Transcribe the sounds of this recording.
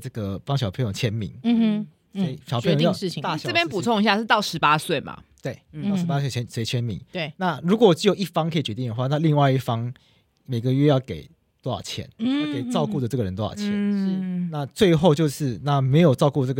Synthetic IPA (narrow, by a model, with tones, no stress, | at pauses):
ʈ͡ʂɤ˥˩ɡə˩pɑ˥ŋɕjɑ˨˩pʰe˧˥njo˨˩ŋt͡ɕʰjɛ˦˥nmḭ˨˥ŋ˧ | si˨˩ɕɑ˨pʰĩ˧˦jo˧˥˦ɻ̩ʰ˥˩˨jɛ˥˦npu˨˩t͡sʰo˥˧ŋi˧ɕ̬ja˥˧ʂɻ̩˥˧t̪ɑ˥˩ʊʂɻ̩˧˥pa˥swe˥˩ɪma̰˨˩t̪we˥˩ɪɑ˥˨ʊʂɻ̩˧pa˦˥swe˥˩ɪt͡ɕʰɛ˧˥nswe˧˥ɪt͡ɕʰjɛ˦˥nmḭ˨˩˦ŋwe˥˩na˥˨ɻu˧˥kwɔ˨˩˨t͡ɕi˥˩jo˨˩ʊi˥˩fɑ˥˦ŋkʰə˧˥i˨˩t͡ɕɥɛ˧˦t̪i˥˩ŋd̪ə˨xwa˥˧na˥˧li˥˧ŋwa˥˧ɪi˥˩fɑ˦ŋ | me˨˩ɪɡə˩˦ɥɛ˥˧jɑ˥˩ʊke˨˩˦ɪ | t̪wɑ̰˨˩t͡ɕʰjɛ̰˧˦n˥˧˩ke˨˩ɪt͡sɑ˥˧ʊku˥˩d̪ə˩t͡sɤ˥˩ɡə˩ɻə˧˦nt̪̬j̰ɑ̰˨˩t͡ɕʰjɛ̰˨˦n̩˥˩na˥˨t͡swe˥˧ɪxo˥˧ʊt͡ɕjo˥˧ʊʂɻ̩˥˧na˥˨me˧˥ɪjo˨˩ʊt͡sɑ˥˧ʊku˥˧t͡sɤ˥˩ɡ